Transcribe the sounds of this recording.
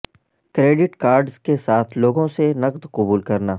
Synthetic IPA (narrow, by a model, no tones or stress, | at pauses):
kɾeːɖɪʈkaːɾɖzkesaːt̪ʰloːɡõsenəqd̪qʊbuːlkəɾnaː